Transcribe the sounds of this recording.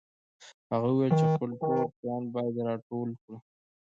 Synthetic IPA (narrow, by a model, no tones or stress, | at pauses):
haɣauwelt͡ʃexpəlkoɾpjɑnbɑjad̪ɾɑʈolkɽi